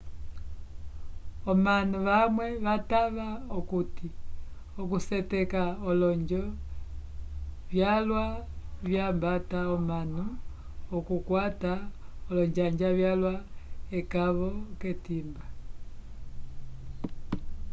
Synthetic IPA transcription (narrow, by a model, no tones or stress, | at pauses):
ɔmanuʋamwɛβataβaokuti | ɔkusɛtɛkaɔlɔɲd͡ʒɔ | βjalwaβjambataɔmanu | ɔkukwataɔlɔɲd͡ʒaɲd͡ʒaβjalwaɛkaβɔketimba